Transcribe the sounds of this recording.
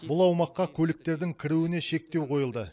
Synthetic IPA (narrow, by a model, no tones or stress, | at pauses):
bʊlˠɑwmɑqːɑkʲʰɵlɪk̚t̪e̞ɾd̪ɪŋkʲʰɪɾuwɪne̞ʃe̞k̚t̪e̞wqʰo̞jəlˠd̪ə